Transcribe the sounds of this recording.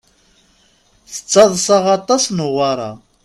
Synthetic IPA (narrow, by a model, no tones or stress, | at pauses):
θə̥t͡sːɑðˤsɑʁɑt̪ˤɑsnəʁɑɾˤɑ̰